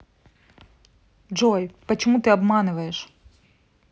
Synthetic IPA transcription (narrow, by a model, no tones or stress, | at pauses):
d͡ʒɔjpɐt͡ʃɔmut̪ɪɐbmɑnʊʋɐjeʃ